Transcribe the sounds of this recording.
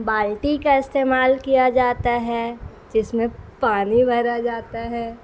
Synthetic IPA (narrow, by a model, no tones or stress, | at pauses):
baːlʈikaɪst̪eːmaːlkijad͡ʒaːt̪aɦɛ | d͡ʒɪsmẽpaːnibʱɐɾad͡ʒaːt̪aɦɛː